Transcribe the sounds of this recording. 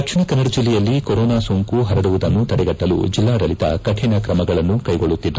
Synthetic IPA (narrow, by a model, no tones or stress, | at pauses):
ɐkt͡ʃʰinɐkɐnɐɾud͡ʒilːɛjɐlːikɔɾɔːnaːsoŋkuɦɐɾɐɽuʋud̪ɐnːut̪ɐɽɛɡɐʈːɐlṵd͡ʒilːaːɽɐlit̪ɐ̰kɐʈʰinɐkɾɐmɐɡɐɭɐnːukɐjɡoɭːut̪ːid̪ːu